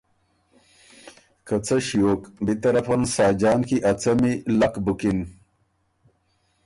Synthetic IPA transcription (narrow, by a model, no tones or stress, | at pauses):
kɐt͡sɐɕijoːkbit̪ɐɾɐfansɑːd͡ʑɑːnkiʔɐt͡sɐmilakbukin